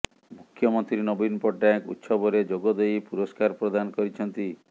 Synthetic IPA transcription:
mukʰːjɔmɔnt̪ɾinɔbinpɔʈakṵt̪sɔbɔɾed͡ʒoɡɔd̪ejpuɾɔskaɾpɾɔd̪anɔkɔɾit͡ʃʰɔnt̪i

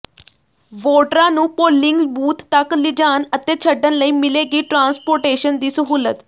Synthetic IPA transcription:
ʋoːʈɾãːnũːpoːlɪŋɡbuːt̪ːəklɪd͡ʒaːnət̪eːt͡ʃʰəɖənləiːmɪleːɡiːʈɾãːnspoːɾʈeːʃənd̪iːsəɦuːlət̪

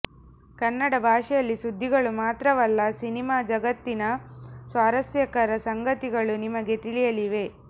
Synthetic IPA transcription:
kɐnːɐɽɐbʱaːʂɛjɐlːisud̪ʱːiɡɐɭumaːt̪ɾɐʋɐlːɐsinimaːd͡ʒɐɡɐt̪ːinɐsʋaːɾɐsjɐkɐɾɐsɐŋɡɐt̪iɡɐɭunimɐɡe̞t̪iɭijɐliʋe̞

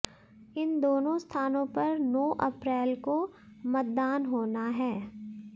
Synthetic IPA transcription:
ɪnd̪oːnõst̪ʰaːnõpɐɾnɔːʔɐpɾɛːlko | mɐt̪̚d̪aːnɦoːnaɦɛː

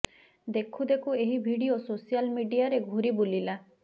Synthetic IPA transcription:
d̪ekʰud̪ekueɦibʱiɽiososijalmiɖijaɾeɡʱuɾibulila

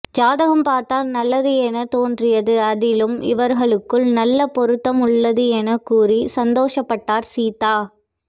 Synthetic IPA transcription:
d͡ʒaːðɐɣɐmpaːɾt̪aːlnɐlːɐðɯɛnɐt̪oːndrɪjɐðɯɐðɪlɯmɪ̰ʋɐɾɣɐɭɯkːɯɭnɐlːɐpɔɾɯt̪ːɐmʊɭːɐðɯɛnɐkuːrisɐnd̪oːʂɐpːɐʈːaːɾsiːt̪ːaː

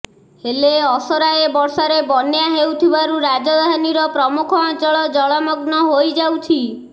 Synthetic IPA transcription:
heleɔsɔɾaebɔɾsaɾebɔnjaɦewt̪ʰibaɾuɾad͡ʒɔd̪ʱaniɾɔpɾɔmukʰɔd͡ʒɔɭɔd͡ʒɔɭɔmɔɡnɔɦojd͡ʒawt͡ʃʰi

